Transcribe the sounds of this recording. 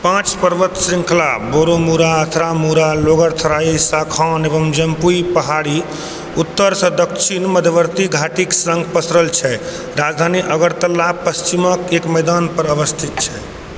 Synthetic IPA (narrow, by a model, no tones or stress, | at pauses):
pãt͡ʃpəɾʋət̪sɾĩŋkʰlaboɾomuɾaət̪ʰɾamuɾaloɡəɾt̪ʰəɾaisakʰãnebəmd͡ʒəmpuipəɦaɽi | ut̪ːəɾsə̃d̪əkt͡ʃʰinməd̪ʱjəʋəɾt̪iɡʱaʈiksə̃ŋɡpəsɾəlt͡ʃʰɛ | ɾad͡ʒd̪ʱaniʔəɡəɾt̪əlːapəst͡ʃiməkekmɛjd̪anpəɾəʋəst̪ʰit̪̚t͡ʃʰɛ